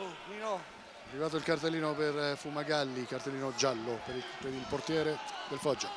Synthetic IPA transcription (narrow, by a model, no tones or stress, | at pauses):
minɔ | arːivaːt̪̬oilkart̪elːiːnoperfumaɡalːikart̪elːiːnod͡ʒalːoppeɾilport̪jɛːɾed̪elfɔd͡ʒːa